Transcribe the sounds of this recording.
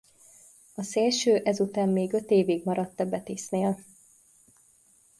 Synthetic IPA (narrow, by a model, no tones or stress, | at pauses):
ɒseːlʃøːʔɛzut̪aːmːeːɡø̞t̪eːviɡmɒɾɒt̪ːɒbɛt̪eːsneːl